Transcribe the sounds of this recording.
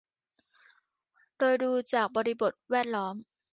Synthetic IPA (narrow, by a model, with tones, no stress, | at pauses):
doː˧jduː˧t͡ɕaː˨˩k̚bɔː˧ɾi˦˧bo˨˩t̪̚wɛː˥˩t̪̚lɔː˦˥m